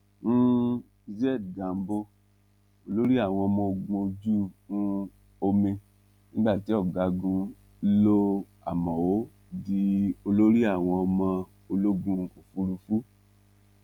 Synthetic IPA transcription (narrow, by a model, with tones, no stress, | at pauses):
nũ˦ | i˧zɛ˦˨dɡa˨m̩˦bo˦ | o˧lo˦ɾi˦a˦˨w̃ɔ̃˧ɔ˧mɔ̃˧o˧ɡũ˧o˧d͡ʒu˦˨nũ˦ | o˧mĩ˧ | nĩ˦ɡ͡ba˦˨ti˨˦ɔ˦˨ɡa˨˧ɡũ˧ | lo˦ | a̰˨mɔ̃˨wo˨˦ | di˧o˧lo˦ɾi˦a˦˨w̃ɔ̃˧ɔ˧mã˧ | o˧lo˦ɡũ˧o˨fu˦ɾu˧fu˦